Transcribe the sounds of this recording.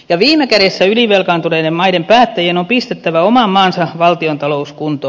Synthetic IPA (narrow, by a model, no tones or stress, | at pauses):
jɑʋiːmekæɾesːæyliʋelkɑnt̪uɾedemmɑidempæːt̪ːæjenompist̪et̪ːæʋæomɑmːɑːnsɑʋɑlt̪iont̪ɑlouskunt̪o